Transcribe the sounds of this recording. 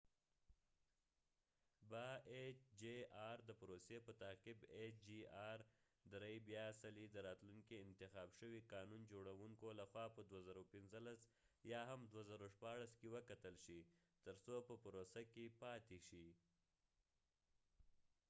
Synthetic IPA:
baet͡ʃd͡ʒeɑɾd̪əpɾosepət̪aqɪbed͡ʒiɑɾ | d̪ɾajbjɑsalid̪əɾɑt̪luŋkiɪnt̪ɪxɑbʃəwiqɑnund͡ʒoɽawuŋkolaxwɑpəd̪wazaɾawpɪnzəlas | jɑɦamd̪wazaɾawʃpɑɽaskewəkat̪əlʃi | t̪əɾsopəpəɾosakepɑt̪eʃi

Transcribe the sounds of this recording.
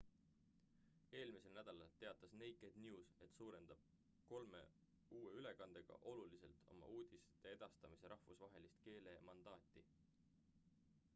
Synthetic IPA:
e̞ːlmise̞lnæd̪̥ɑlɑlt̪e̞ɑt̪ːˑɑsne̞jkˑed̪̥njuːse̞t̪suːɾe̞nd̪̥ɑb̥̚ | ko̞lme̞̰ | uːeyle̞kɑnd̪̥e̞ɡ̥ɑ̰ʔo̞lulise̞lt̪ˑo̞̰mɑ̰uːd̪̥iset̪eed̪̥ɑst̪ɑmise̞ɾʔɑhvusvɑɦe̞list̪ke̞ːle̞mɑnd̪̥ɑːt̪ːˑi

